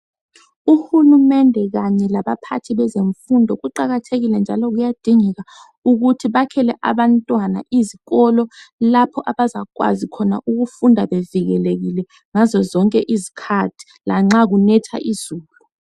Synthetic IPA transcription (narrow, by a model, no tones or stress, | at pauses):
uhulumɛndʱɛɣaɲɛlaɓapʰa̰tʰiɓɛzeɱfundʱɔɣuǃaɣatʰeɣilɛnd͡ʒʱalɔɣujad̥ʱiŋɛɣa | uɣ̬utʰiɓakʰɛlɛʔa̰ɓantʼwana̰ʔiziɣɔlɔlapʰɔʔaɓazak̬wa̰zikʰɔna̰ʔuɣufundʱaɓeviɣɛleɣilɛ | ŋazɔzɔŋkʼɛʔizikʰatʰi̥laŋ͡ǁaɣ̬unɛtʰa̰ʔizuːlu